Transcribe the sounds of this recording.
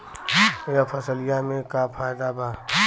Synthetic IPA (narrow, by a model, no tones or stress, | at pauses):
japʰɐsəlɪjamẽkapʰaːjd̪abʱaː